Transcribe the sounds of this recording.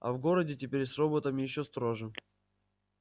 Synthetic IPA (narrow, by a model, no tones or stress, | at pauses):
ɐ̰vɡo̞ɾədʲɪtʲɪpʲeɾʲsro̞bət̪əmʲɪjɪɕːost̪ɾoʐɨ